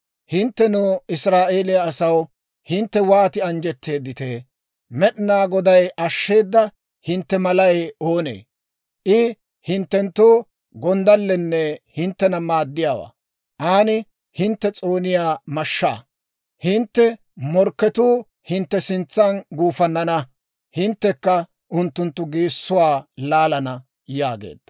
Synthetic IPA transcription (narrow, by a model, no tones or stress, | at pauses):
hɪnt̪ːɛnuːɪsɾaːʔe̞ːlɪjaːsɐw | hɪnt̪ːɛwaːt̪ɪɐnd͡ʒɛt̪ːe̞ːd̪ːɪt̪eː | mɛɗnaːɡɔd̪ɐjʔɐʃːe̞ːd̪ːɐ | hɪnt̪ːɛmɐlɐjo̞ːnḛː | ʔɪ | hɪnt̪ːɛnt̪ːoː | ɡɔnd̪ɐlːɛnːɛhɪnt̪ːɛnɐmaːd̪ːɪjaːwa̰ː | ʔaːnɪ | hɪnt̪ːɛt͡sʼoːnɪjaːmɐʃːa̰ː | hɪnt̪ːɛ | mɔɾkːɛt̪uː | hɪnt̪ːɛsɪnt͡sːɐnɡuːfɐnːɐnɐ | hɪnt̪ːɛkːɐ | ʔʊnt̪ːʊnt̪ːʊɡiːsːʊwaːlaːlɐnɐ | jaːɡḛːd̪ːɐ